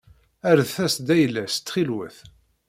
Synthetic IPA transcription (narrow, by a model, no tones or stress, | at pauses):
æɾðθæsd̪æjlæst̪ːχilwə̰θ